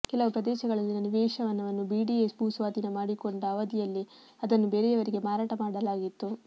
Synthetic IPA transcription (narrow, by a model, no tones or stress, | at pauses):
kɛlɐʋupɾɐd̪ɛːʃɐɡɐɭɐlːinɐniʋɛːʃɐʋɐnːɐʋɐnːubiːɖiesbuːsʋaːd̪inɐmaːɽiko̞ɳɖɐːʋɐd̪ijɐlːi | ɐd̪ɐnːubeːɾejɐʋɐɾiɡe̞maːɾaːʈɐmaːɽɐlaːɡit̪ːu